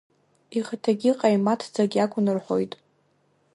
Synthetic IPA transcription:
iχatʰaɡʲiqʼajmatʰd͡zaɡʲakʷʼʊnɨrħʷo̞̰jtʼ

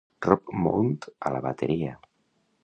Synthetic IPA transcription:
rɔpmṵnt̪alaβat̪eɾia

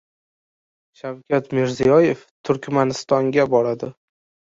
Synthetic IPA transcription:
ʃawkʲʰat̪mɪɾzijɒje̞ft̪ʰʊɾkʲmanɪst̪ɒŋɡʲabɒɾad̪ɪ

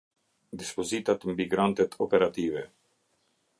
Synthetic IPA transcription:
d̪ispɔzit̪at̪mbiɡɾant̪ɛt̪ʰɔpɛɾat̪ivɛ

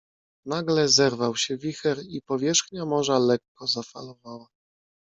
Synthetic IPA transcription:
naɡlɛzɛɾvawɕɛvʲixɛɾipɔvʲjɛʂxɲamɔʐalɛkːɔzafalɔvawa

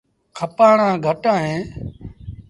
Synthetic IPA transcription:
kʰəpaːɳãːɡʱəʈãːɦẽː

